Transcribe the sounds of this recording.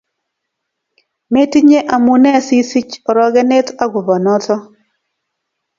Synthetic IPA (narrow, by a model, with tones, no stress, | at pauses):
me˦ti˦ɲe˦ʔa˨mu˨nɛ˦˨si˦si˦t͡ʃɔ˨ɾɔ˦ɡɛ˦ne˦ta˦ɡʊ˨bɔ˨nɔ˦tɔ˦